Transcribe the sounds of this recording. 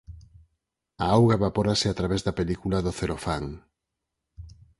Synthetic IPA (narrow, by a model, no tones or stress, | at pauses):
aawɣaβapoɾasɪat̪ɾaβezðapelikulɐðʊθeɾofaŋ